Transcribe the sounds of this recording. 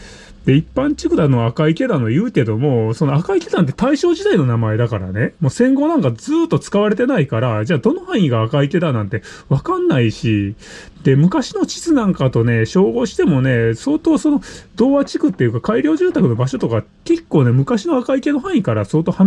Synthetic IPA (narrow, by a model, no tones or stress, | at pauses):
d̪̥e̞ipːãɲ̟t͡ɕikɯ̟d̪ano̞akaike̞d̪ano̞jɯ̟ːke̞d̪o̞mo̞so̞no̞akaik̪e̞d̪ãnt̪̬e̞t̪aiɕo̞ːʑid̪aino̞namae̞d̪akaɾa̰ne̞moːsẽ̞ŋɡo̞nãŋkad͡zɨːt̪ːot͡sɨ̥kaβaɾe̞t̪̬e̞naikaɾad͡ʑaːd̪o̞no̞hãɰ̃ĩɡaːkait̪e̞d̪anãnt̪eβakãnːaiɕi | d̪̥e̞mɯ̟kaɕino̞t͡ɕi̥t͡sɨnãŋkat̪o̞ne̞ɕo̞ːɡo̞ɕi̥t̪e̞mo̞ne̞so̞ːt̪o̞ːso̞nod̪o̞ːβat͡ɕikɯ̟t̪ːe̞jɯ̟kakaiɾʲo̞ːʑɨ̃ːt̪akɯ̟no̞baɕo̞t̪o̞ka | ke̞kːo̞ːne̞mɯ̟kaɕinoakaike̞no̞ɦãɰ̃ikaɾaso̞ːt̪o̞ːha